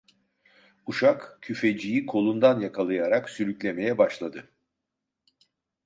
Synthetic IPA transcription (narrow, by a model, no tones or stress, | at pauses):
uʃakcʰyfe̞d͡ʒijikʰo̞lˠund̪anjakʰalˠɯjaɾaksyɾyclʲe̞me̞jɛbaʃlˠad̪ɯ